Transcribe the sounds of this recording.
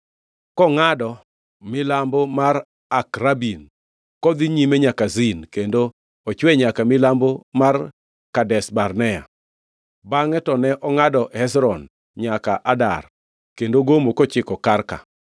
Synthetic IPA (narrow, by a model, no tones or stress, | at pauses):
kɔŋadɔ | mɪlambomar | akɾabin | kɔd̪iɲimɛɲakazinkendo | ɔt͡ʃwɛɲakamɪlambomar | kadɛsbarnɛa̰ | baŋɛtɔnɛʔɔŋadɔhɛsɾɔn | ɲakaʔada̰r | kendoɡomokot͡ʃɪkɔkarka̰